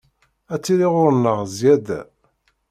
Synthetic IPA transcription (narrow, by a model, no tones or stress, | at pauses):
æt͡sːiɾiʁʊɾnːəʁzjæd̪æ̰